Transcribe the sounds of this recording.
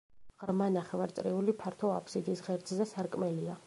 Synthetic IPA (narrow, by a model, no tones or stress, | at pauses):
ʁɾmanaχɛvaɾt̪sʼɾiulipʰaɾt̪ʰɔa̰pʰsid̪isʁɛɾd̪sʼzɛsaɾkʼmɛlia